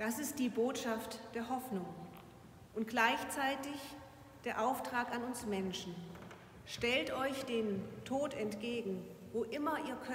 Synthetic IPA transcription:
d̥asɪst̚d̥iːboːtʃaftd̥eːɐɦɔfnʊŋ | ʔʊnt̚ɡ̥laɪçt͡saɪtɪç | d̥eːɐʔaʊftʁ̥aːkanʊnsmɛnʃn̩ | ʃtɛltɔʏçd̥eːmtʰoːtɛntɡ̥eːɡŋ̩voːʔɪmɐʔiːɐkʰ

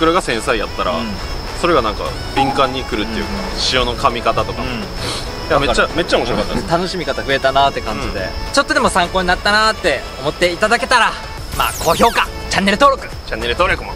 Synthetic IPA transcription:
kɯ̟ɾaɡasẽ̞ɰ̃saijat̪ːaɾa̰ | so̞ɾe̞ɡanãŋka̰ | bʲĩŋkãɲ̟ːikɯ̟ɾɯ̟t̪ːejɯ̟ka̰ | ɕio̞no̞kamʲikat̪at̪o̞kam | jamet͡ɕːame̞t͡ɕːaomoɕiɾokat̪ːa̰et̪anoɕimʲikat̪aɸɯ̟e̞t̪anat̪ːe̞kãɲd͡ʑid̪e̞̰t͡ɕo̞t̪ːo̞d̪e̞mosãŋko̞ːɲ̟inat̪ːanat̪ːe̞ | o̞mo̞t̪ːe̞it̪ad̪ake̞t̪aɾa | ma̰ːkʰo̞ːço̞ːka | t͡ɕãnːe̞ɾɯt̪o̞ːɾo̞kɯ̟t͡ɕanːeɾɯ̟t̪o̞ːɾokɯmo

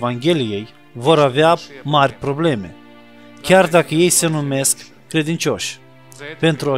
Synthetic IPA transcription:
vaŋɡʲe̞lije̞j | vo̞ɾaveamarʲpɾo̞ble̞me̞̰ | kʲard̪akəje̞jse̞nume̞skː | ɾe̞d̪int͡ʃʲo̞ʃʲ | pe̞nt̪ɾuo

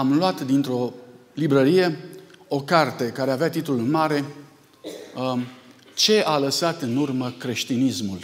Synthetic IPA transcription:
amlwat̪d̪int̪ɾo̞libɾəɾije̞o̞kart̪e̞kaɾe̞aveat̪it̪lulɨnmaɾe̞ | t͡ʃe̞ʔaləsat̪ɨnurməkɾe̞ʃt̪inismul

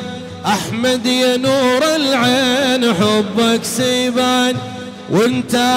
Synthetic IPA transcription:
ʔaħmad̪januːɾɪlʕeːnaħʊbːaksiːbaːn | wʔɪnt̪a

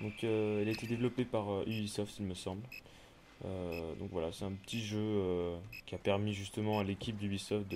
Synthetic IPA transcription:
d̪ɔ̃køɛlaet̪ed̪evlɔpepaʁøʔybisɔft̪ilməsɑ̃bl | ød̪ɔ̰̃kvwala̰sɛt̪ɛ̃pət̪ʰiʒøøkʲiapɛʁmiʒyst̪əmɑ̃alekʲip̚d̪ybisɔft̪̚d̪

